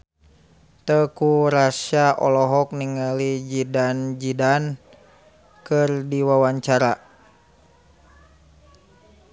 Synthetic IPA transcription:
t̪əkuɾasiaʔɔlɔɦɔk̚niŋalid͡ʒidand͡ʒidan | kɨrdiwawaɲt͡ʃaɾa

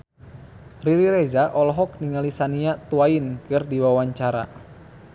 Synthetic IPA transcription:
riɾiɾezaʔɔlɔɦɔk̚niŋalisaniat̪uainkɨrdiwawaɲt͡ʃaɾa̰

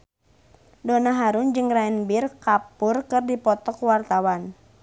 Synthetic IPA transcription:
donaɦaɾʊnd͡ʒɨŋraɛnbirkapʊrkɨrdipɔt̪ɔkwart̪awan

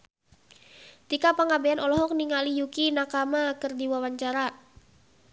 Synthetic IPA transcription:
t̪ikapaŋabeanʔɔlɔɦɔk̚niŋalijukinakamakɨrdiwawaɲt͡ʃaɾa

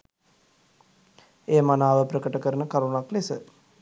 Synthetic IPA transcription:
eːmanaːʋəpɾəkəʈəkəɾənəkaɾunaklesə

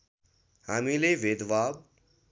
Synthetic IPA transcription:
haːmĩleʋeːd̪ʋaːb̚

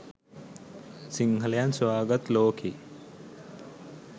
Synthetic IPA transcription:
siŋɡʱɐljanswaːɡɐt̪loːkʰi

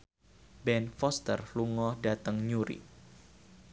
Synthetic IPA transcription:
bɛnfɔst̪ərluŋɔdat̪əŋɲuɾḭ

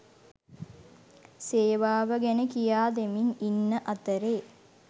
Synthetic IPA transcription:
seːʋaːʋəɡɛnəkijaːd̪emininːəʔat̪əɾeː

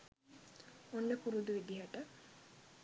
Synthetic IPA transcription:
onːəkuɾud̪uʋed̪iɦaʈə

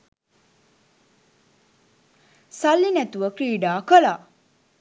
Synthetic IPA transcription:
salːinɛt̪uʋəkɾiːɖaːkəlaː

